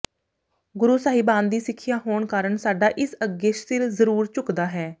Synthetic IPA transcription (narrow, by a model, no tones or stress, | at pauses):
ɡʊɾuːsaːɦiːbãːnd̪d̪iːsɪkʰːɪjaːɦoːɳkaːɾəɳsaːɖaːʔɪsəɡeːʃsɪɾzəɾuːɾt͡ʃʊkd̪aːɦɛː